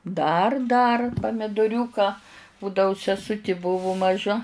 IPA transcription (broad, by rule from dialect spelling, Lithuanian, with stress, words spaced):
dɐr dɐr pɐmʲɪdoːˈrʲuːkɐ ˈbuːdɐʊ sʲɛˈsʊtʲɪ ˈbʊʋʊ mɐˈʒɐ